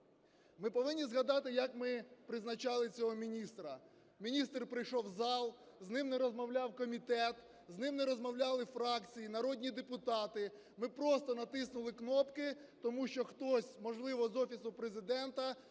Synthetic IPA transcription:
mɪpɔʋɪnʲːizɦɐd̪ɑt̪ɪjɐkmɪpɾɪznɐt͡ʃɑlˠɪt͡sʲɔɦɔmʲinʲist̪ɾɐ | mʲinʲist̪rpɾɪjʃɔwzɑlˠ | znɪmneɾɔzmɔwlʲɑwkɔmʲit̪ɛt̪ | znɪmneɾɔzmɔwlʲɑlˠɪfɾɑkt͡sʲijinɐɾɔdʲnʲid̪epʊt̪ɑt̪ɪ | mɪpɾɔst̪ɔnɐt̪ɪsnʊlˠɪknɔpkɪt̪ɔmuʃt͡ʃɔxt̪ɔsʲmɔʒlˠɪʋɔzɔfʲisʊpɾezɪd̪ɛnt̪ɐ

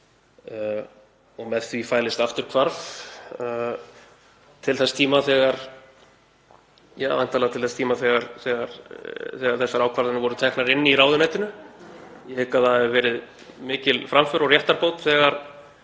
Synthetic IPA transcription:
ɔɣmɛðθvifaːjlɪst̪aft̪ʏɾ̥kʰvaɾθ | t̪ʰɪlθɛsḁt̪ʰiːmaθɛːɣaɾ̥ | jaːwa̰nt̪alat̪ʰɪlθɛsat̪ʰiːmaθɛɣaɾ̥θɛːɣaɾ̥θɛːɣaɾ̥θɛsːaɾaːwkʰvaɾðanʏvɔɾʏt̪ʰɛhknaɾɪnːɪiɾaːwðʏnajt̪ɪnʏ | jɛkaðaɛvɪvɛːɾɪð | mɪːcɪlfɾamfʏɾɔɣrjɛht̪aɾpowt̪θɛːɣaɾ̥

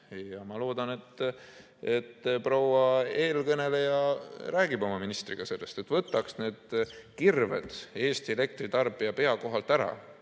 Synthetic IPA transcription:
jɑmɑlo̞ːd̪̥ɑne̞t̪ː | e̞t̪ːprowɑe̞ːlkɤne̞lejɑræːɡ̥ibo̞mɑminist̪riɡ̥ɑse̞lːe̞st̪e̞t̪vɤt̪ːˑɑksne̞ːd̪̥kirvḛd̪̥e̞ːst̪iele̞k̚t̪rit̪ɑrbiɑpe̞ɑko̞ɦɑlt̪æɾɑ̰

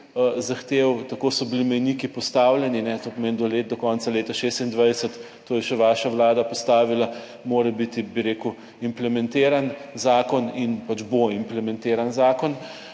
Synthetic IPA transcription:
zaxt̪eːwt̪ɐkoːsɔbilimɛjnikipɔst̪aːwljɛninɛt̪oːpɔmeːnd̪ɔleːt̪̚d̪ɔkɔːnt̪saleːt̪aʃest̪ind̪ʋajsət̪ː | oːjɛʃɛʋaːʃawlaːd̪apɔst̪aːʋila | moːɾɛbit̪ibiɾeːku | implɛmɛ̃nt̪eːɾanzaːkɔninpat͡ʃboimplɛmɛnt̪eːɾanzaːkɔn

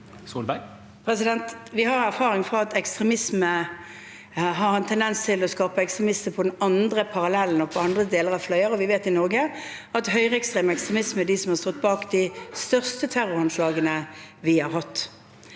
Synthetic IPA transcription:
suːlbæɪ | pʰʁɛs̬ɪd̪ɛnt̪ʋɪhɑɾæʁfɑːʁɪŋfʁɑɑt̪ɛkst̪ʁɛmɪsmə | ɦɑʁɛnt̪ʰɛnd̪ɛnst̪ʰɪlɔskɑːpəɛkst̪ʁɛmɪst̪əpʰɔd̪ɛnɑnd̪ʁəpʰɑʁɑlɛln̩ɔpʰɔɑnd̪ʁəd̪eːləʁɑʋflœʏəʁɔʋɪʋeːt̪ɪnɔʁɡə | ɑt̪ɦœʏʁəɛkst̪ʁeːməɛkst̪ʁɛmɪsməæɖisɔmhɑʁst̪ɔt̪̚ːbɑːkd̪ɪst̪œʁst̪ət̪ʰæʁʊɾhɑnslɑːɡənəʋɪhɑʁɦɑt̪ː

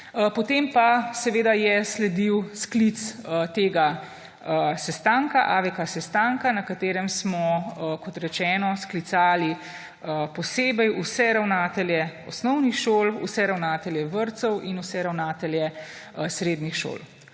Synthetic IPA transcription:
pɔt̪empasɛʋeːd̪ajɛslɛd̪iwsklit̪sət̪eːɡa | sɛst̪aŋkaʔaʋɛkasɛst̪aŋkanakat̪eːɾɛmsmɔkɔt̪ɾɛt͡ʃɛːnɔsklit̪saːli | əpɔseːbɛjusɛɾawnaːt̪ɛljɛɔsnɔwnixʃoːlṵsɛɾawnaːt̪ɛljɛʋəɾt̪sɔwʔinusɛɾawnaːt̪ɛljɛ | sɾeːd̪nixʃo̰ːl

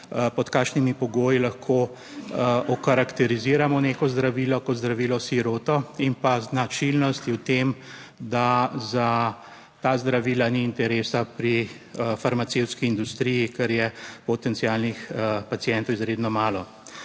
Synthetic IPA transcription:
pɔt̪kaːkʃnimipɔɡoːjilaxkʰoː | ɔkaɾakt̪ɛɾiziːɾamɔneːkɔzd̪ɾaʋiːlɔkɔd̪zd̪ɾaʋilɔsiɾoːt̪ɔimpaznat͡ʃilnɔst̪iwt̪em | d̪aza | t̪aːzd̪ɾaʋiːlaniːnt̪ɛɾesapɾi | faɾmat̪sewt̪skiːnd̪ust̪ɾijikɛɾjɛpɔt̪ɛntsialnixpat̪siɛnt̪ɔwizɾed̪nɔmaːlɔ

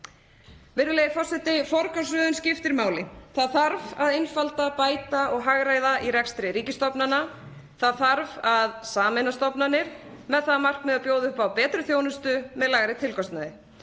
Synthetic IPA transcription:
vɪɾðʏlejðɪfɔr̥sɛt̪ɪfɔɾkasvœːðʏnscɪft̪ɪɾmaːwlɪθaðθaɾvaðejnfalt̪apaːjt̪aɔɣɦaɣɾaːjðaʔiɾɛkst̪ɾɪɾiːcɪst̪ɔpnana | θaðθaɾvaðsaːmɪnast̪ɔpnanɪɾ̥ | mɛðθaðmar̥kmɛðapjoːwðʏʏhpawpɛːt̪ɾʏθjoːwnʏst̪ʏmɛðlaɣaɾɪt̪ʰɪlkɔst̪naðɪ

